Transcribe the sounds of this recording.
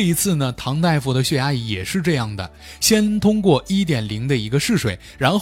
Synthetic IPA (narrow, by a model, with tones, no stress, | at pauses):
i˧˥t͡sʰɹ̩˥˩nə˩t̪ʰɑ˧˥ŋt̪a˥˧ɪfu˧˥˩d̪ə˩ɕɥɛ˥˩ja˧˥i˧˥jɛ˨˩ʂɻ̩˥˧ʈ͡ʂɤ˥˧jɑ˥˩ŋd̪ə̰˩ | ɕjɛ˥nt̪ʰʊ˥ŋkwɔ˥˩ʔi˥t̪̬jɛ˨˩nli˧˥ŋd̪ə˧i˧˥ɡə˧ʂɻ̩˥˩ʂwe˨˩˦ɪɻa˧˥nx